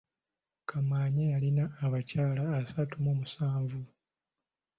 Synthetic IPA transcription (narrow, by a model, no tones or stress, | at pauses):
kʰamaːɲejalinaːβacaːlaːsatumomusaːɱvu